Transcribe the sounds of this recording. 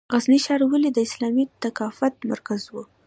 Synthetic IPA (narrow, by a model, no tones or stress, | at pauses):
ɣazniʃɑɾwəlid̪əɪslɑmit̪akɑfat̪̚ma̰ɾkazwu